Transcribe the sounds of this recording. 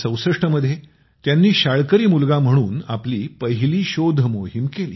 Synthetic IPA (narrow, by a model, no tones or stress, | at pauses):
sə̃w̃sɾəʂʈəməd̪ʱːje | t̪janːiːɕaɭkəɾiːmulɡam̤əɽ̃uːnapliːpəɦiliːɕod̪ʱəmoɦimkeliː